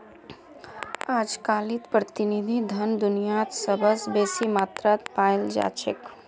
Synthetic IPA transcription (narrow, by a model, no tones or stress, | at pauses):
aːd͡ʒkaːlit̪pɾət̪ɪnid̪ʱid̪ʱɐnd̪ʊnijaːt̪səbʱəsbeːsimaːt̪ɾaːt̪paːɪld͡ʒa̰ːt͡ʃḛk